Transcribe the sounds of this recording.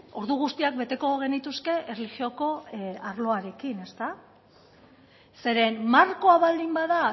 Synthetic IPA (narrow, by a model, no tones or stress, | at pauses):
o̞ɾðuɣ̞ust̪iak̚be̞t̪e̞ko̞ɣ̞e̞nit̪uske̞ʔerlixio̞ko̞aɾlo̞aɾe̞kine̞st̪a | se̞ɾe̞nmaɾko̞aβald̪imbaða